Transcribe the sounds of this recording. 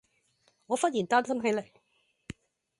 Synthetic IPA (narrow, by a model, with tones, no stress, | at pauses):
ŋɔː˨˧fɐ˥t̚jiː˨˩nt̪aː˥nsɐ˥mɦe˨˥jle˨˩